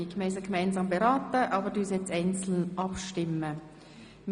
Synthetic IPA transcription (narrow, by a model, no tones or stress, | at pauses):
ikmɛɪsəɡmæɪnzɑːmbeʁɑːt̪əʔɑːbədyːsɛt͡sɛɪnt͡sl̩nʔɑpʃtɪmə | m